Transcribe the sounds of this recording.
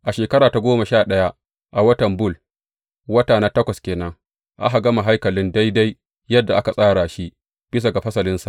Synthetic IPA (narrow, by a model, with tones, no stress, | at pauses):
ʔa˨ʃeː˨kɐ˦ɾaː˨ta˨ɡʷoː˦ma˨ʃaː˦˨ɗɐ˦ja˦ | ʔa˨wɐ˦tɐ˨mbʊ˦l | wɐ˦taː˨naː˦tɐ˦kʷɐ˨skʲeː˨nɐ˦ŋ | ʔa̰˦ɦa˨ɡɐ˦ma˨ɦa˦jkɐ˨lɪ˦nda˦jda˦j | jɐ˦dːa˨ʔa˦ka˨sʼaː˦ɽaː˨ʃi˦ | b̥ɪ˦s̬a˨ɡa˨ɸɐ˦sɐ˨lɪ˦nsa˨ʔ